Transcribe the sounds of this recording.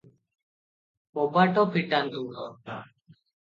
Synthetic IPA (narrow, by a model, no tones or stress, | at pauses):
pɔbaʈɔpʰiʈand̪u